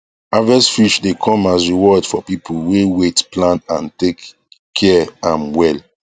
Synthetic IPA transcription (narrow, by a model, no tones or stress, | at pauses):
avɛsfɹit͡ʃdekʰɔ̃masɹiwɔdfɔpipʰulwewetplãnãntek | kʰːɛãnwɛl